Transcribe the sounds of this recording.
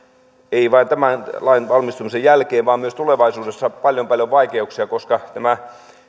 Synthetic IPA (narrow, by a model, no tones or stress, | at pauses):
eiʋɑint̪æmænlɑinʋɑlmist̪umisejjælkeːʋʋɑːmmyøst̪uleʋɑisuːdesːɑpɑljompɑljoʋʋɑikeuksiɑkoskɑt̪æmæ